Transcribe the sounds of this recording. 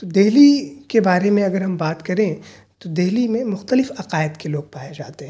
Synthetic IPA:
t̪od̪eɦlikebaːɾemẽɐɡəɾɦɐmbaːt̪kɐɾẽt̪od̪eɦlimẽmʊxt̪əlɪfɐqaːɪd̪keloːɡ̚paːed͡ʒaːt̪eɦɛ̃

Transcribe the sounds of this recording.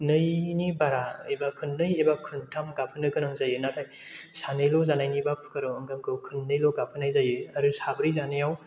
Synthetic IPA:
nɯjnibaɾaɯjbakʰɯnːɯjejbakʰɯntʰamɡapʰɯnɯkʰɯnaŋzajɯnatʰaj | sanɯjlɔzanajnibapʰkɯɾɔwɯŋɡaŋkʰɯwkʰɯnːɯjlɔɡapʰɯnajzajɯaɾɯsabɾizanajaw

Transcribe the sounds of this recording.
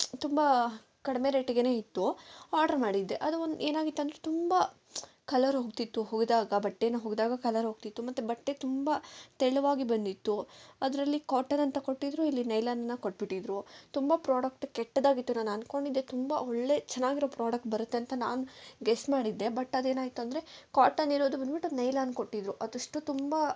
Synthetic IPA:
t̪umbɐ | kɐɽɐme̞ɾe̞ːʈiɡene̞ːit̪ːuaːɾɖɐɾmaːɽid̪ːe̞ʔɐd̪uond̪eːnaːɡit̪ːɐnd̪ɾet̪umbɐ | kɐlɐɾɦoːɡt̪it̪ːuɦoːɡd̪aːɡɐbɐʈːeːnɐɦoːɡd̪aːɡɐkɐlɐɾɦo̞ːɡ̚t̪it̪ːumɐt̪ːubɐʈːet̪umbɐt̪ɛɭuʋaːɡibɐnd̪it̪ːuɐd̪ɐɾɐlːikaːʈɐnɐnt̪ɐko̞ʈːid̪ɾuilːinɐjlaːnɐnːɐkoʈːbiʈːid̪ɾut̪umbɐpɾaːɽɐk̚ʈkɛʈːɐd̪aːɡit̪ːunaːnɐnko̞ɳɖid̪ːet̪umbɐoɭːe̞t͡ʃɛnːaːɡiɾo̞ːpɾaːɽɐk̚ʈ̚bɐɾut̪ːeɐnt̪ɐnaːnuɡesmaːɽid̪ːe̞bɐʈːɐd̪e̞ːnaːɡit̪ːuɐnd̪ɐɾe̞kaːʈɐnːiɾoːd̪ubɐnd̪biʈːunɐjlaːnko̞ʈːid̪ɾuʔɐd̪ɐʂʈut̪umba

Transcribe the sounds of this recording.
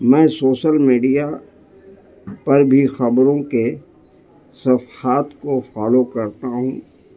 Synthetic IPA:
mɛ̃ːsoːʃəlmiːɖija | pɐɾbʱixɐbɾõke | sɐfhaːt̪kofaːlokɐɾt̪aɦũː

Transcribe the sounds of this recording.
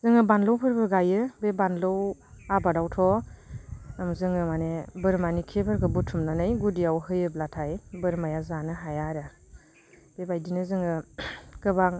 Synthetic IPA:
zɯŋɯbanlɔwpʰɯɾbɯɡajɯbebanlɔwabadawtʰɔ | amzɯŋɯmanebɯɾmanikʰepʰɯɾkʰɯbutʰumnanɯjɡudiawhɯjɯb̚latʰajbɯɾmajazanɯɦajaɾa | b̥ebajdinɯzɯŋɯkɯbaŋ

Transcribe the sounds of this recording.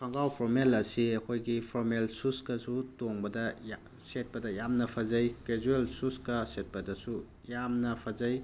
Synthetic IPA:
pʰɐŋɡawpʰomelɐsiɐkʰojɡipʰoɾmelsuskɐsutoŋbɐdɐj | set̚pɐdɐjamnɐpʰɐzɐjked͡ʒuelsuskɐset̚pɐdɐsu | jamnɐpʰɐzɐj

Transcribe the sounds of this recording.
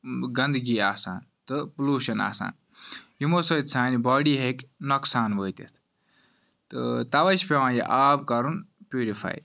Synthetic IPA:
ɡɐnd̪ɡiːaːsaːnt̪ɨpluːʃɐna̰ːsa̰ːn | jimosot̪ʲt͡sʰãːnibaːɽiːɦekʲnoksaːnʋəːit̪ḭt̪ʰ | t̪ɨ̰t̪ɐʋɐʃpʲeʋãːjḛʔaːbkɐɾunpʲjuːɾifʰa̰ːj

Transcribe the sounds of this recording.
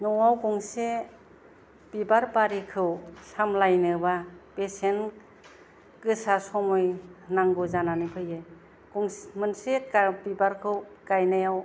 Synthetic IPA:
nɔwawɡuŋse | pibaɾpaɾikʰɯwsamlajnɯbapesen | kɯsasɔmɔjnaŋɡɯzananɯpʰɯjɯj | ɡ̥uŋsmɯnsekabibaɾkʰɯwkajnajaw

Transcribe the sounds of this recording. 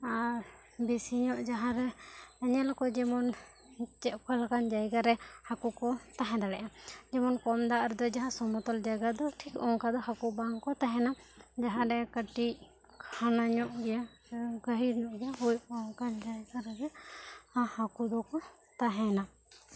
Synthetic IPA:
aɾ | bɛsiɲɔʔd͡ʒaɦãɾɛːɲɛlkɔd͡ʒɛmɔn | t͡ʃɛʔkalakand͡ʒajɡaɾɛhakukɔt̪aɦɛ̃d̪aɽɛʔad͡ʒɛmɔnkɔmd̪aʔɾɛd̪ɔd͡ʒaɦãsɔmɔt̪ɔld͡ʒaɡad̪ɔʈʰikɔŋkad̪ɔhakubaŋkɔt̪aɦɛnad͡ʒaɦãɾɛkəʈi | kʰanaɲɔʔɡɛja | ɡəɦiɾɲɔʔɡɛjaɦujɔŋkad͡ʒajɡaɾɛd͡ʒɛhahakud̪ɔkɔ | t̪aɦɛna

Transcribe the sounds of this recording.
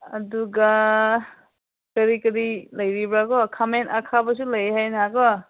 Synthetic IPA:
ɐ̰duɡa | kəɾikɐɾilajɾibɾakɔkʰamentakʰabas̬ulajɦajnakɔ

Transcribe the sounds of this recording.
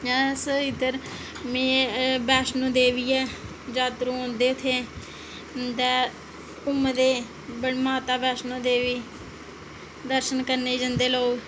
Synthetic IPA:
ɛːsəɪd̪əɾ | mẽːbɛːsnõːd̪eːʋiːɛː | d͡ʒaːt̪ɾũːõːnd̪eːʊt̪ʰːeː | d̪ɛː | ʊmd̪eː | bəɽmaːt̪aːbɛːsnõːd̪eːʋiː | d̪əɾʃənkəɾneːd͡ʒənd̪eːloːɡ

